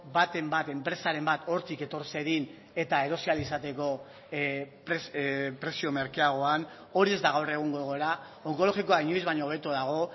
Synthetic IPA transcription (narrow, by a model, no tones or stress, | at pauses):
bat̪e̞mbat̪e̞mpɾe̞saɾe̞mbat̪o̞ɾt̪ike̞t̪o̞ɾse̞ɣin | e̞t̪ae̞ɾo̞sialisat̪e̞ko̞ | pɾespɾe̞sio̞me̞ɾkeaɣo̞an | o̞ɾie̞zd̪aɣ̞awre̞ɣ̞uŋɡoɣo̞eɾa | o̞ŋko̞lo̞xikoaiɲojzβaɲoβ̞et̪uðaɣ̞o̞